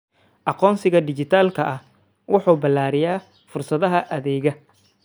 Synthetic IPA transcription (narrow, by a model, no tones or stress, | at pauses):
ʔɑqɔːnsɪɣɐd̪ɪt͡ʃɪt̪ʰaːlkʰɐʔɐh | wʔɑħuːbɐlːaːɾɪjaː | fʊrsɐðɐɦɐʔɐðɛːɣɐ